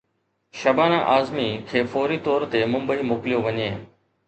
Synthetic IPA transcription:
ʃɐbaːnãʔaːzmikʰeːfoːɾit̪ɔːɾt̪emʊ̃mbəiːmoːklɪjoʋɐɲeː

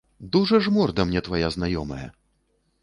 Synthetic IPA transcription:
d̪uʐɐʐmɔrd̪ɐmnʲɛt̪vajaznajɔmɐjɛ̰

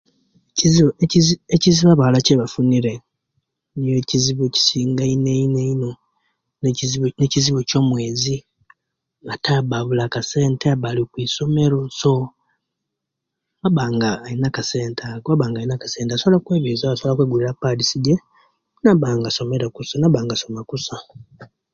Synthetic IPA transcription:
eciziieciziβaβalaceβafuniɾe | njoeciziβoci̥siːŋɡaineineino̞ | nzneciziβoco̞ːmwe̞ːzi | ŋɡataβaβulakase̞ːnteaβalikwiso̞me̞ɾoso | βaβaːŋɡaːinakaseːntʰaβaβaːŋɡainakḁse̞ːntasoβlakweːβizasolakweɡuliɾapːalisiɟe | naβaːŋɡaso̞me̞ɾekusanaβaːŋɡaso̞makusa

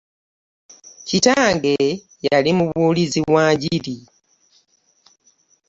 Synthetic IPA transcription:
citaːŋɡe | jalimuβuːliziβwaːɲɟili

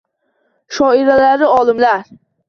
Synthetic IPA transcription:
ʃɒiɾalaɾɪɒlˠɪmlaɾ

